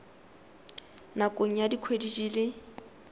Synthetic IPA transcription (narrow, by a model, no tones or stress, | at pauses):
nakʼoŋ̩jadikʰwedid͡ʒiːlɪ